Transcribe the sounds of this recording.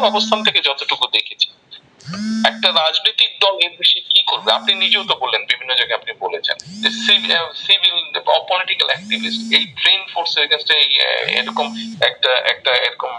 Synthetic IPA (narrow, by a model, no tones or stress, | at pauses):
ɔbost̪ʰant̪ʰeked͡ʑɔt̪oʈukud̪ekʰet͡ɕʰe̥ | ɛk̚ʈaɾad͡ʑnit̪ik̚d̪ɔleɾbeʃikikoɾbeapninid͡ʑewt̪obolːenbibʱinːod͡ʑaɡeapnibolet͡ɕʰḛnd͡ʑesisibʱilɔ̰poliʈikalɛk̚ʈibʱisʈejʈɾenfoɾseekasʈeejḛɾɔkomɛk̚ʈaʔɛ̰k̚ʈaḛɾɔkom